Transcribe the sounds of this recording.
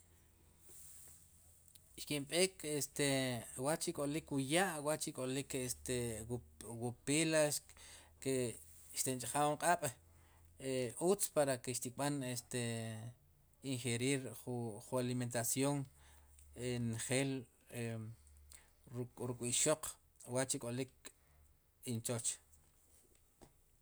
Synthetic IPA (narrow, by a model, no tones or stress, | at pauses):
ʃkimɓeːkʰest̪ewaʔt͡ʃikʼolikwujaʔwaʔt͡ʃikʼolikest̪e | wupilaske | ʃt̪ent͡ʃʼaχawuɴqʼaɓ̥ | eut͡spaɾakeʃt̪ikʼɓanest̪e | iŋχeɾiːɾχuχualiment̪asjoŋ | enχeːl | e | ɾuɾukʼwiʃoq | waʔt͡ʃikʼolik̚ | int͡ʃot͡ʃ